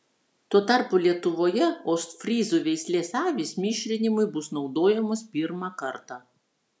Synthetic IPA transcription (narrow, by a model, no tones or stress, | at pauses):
t̪uɔt̪ɑˑɾpoːlʲiɛt̪ʊʋoːjɛoːst̪fʲɾʲiːzuːʋʲɛɪsʲlʲeːsɑːʋʲiːsmʲiːʃʲɾʲɪnʲɪmʊɪbʊsnɒʊd̪oːjɛmʊspʲiːɾmɑːkɐɾt̪ɑː